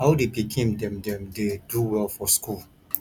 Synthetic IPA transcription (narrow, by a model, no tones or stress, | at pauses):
haʊdebikʰẽmdɛ̃mdɛ̃mdeduwɛlfɔskul